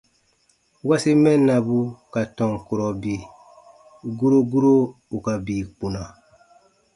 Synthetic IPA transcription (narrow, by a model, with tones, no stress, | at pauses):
wa˦si˦mɛ˦nːa˨bu˦ka˨tɔ̃˨ŋku˨ɾɔ˨bi˨ | ɡu˦ɾo˦ɡu˦ɾo˦u˨ka˨biː˨k͡pu˨na˨